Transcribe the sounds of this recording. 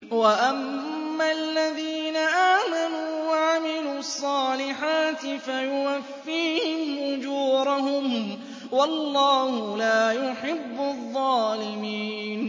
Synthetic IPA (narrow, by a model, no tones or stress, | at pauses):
waʔamːaalːaðiːnaʔaːmanuːwaʕamɪluːɑsˤːɑːlɪħaːt̪ɪfajʊwafːiːhɪmʔʊd͡ʒuːɾɑɦʊm | wɑlˤːɑːhʊlaːjʊħɪbːʊðˤːɑːlɪmiːn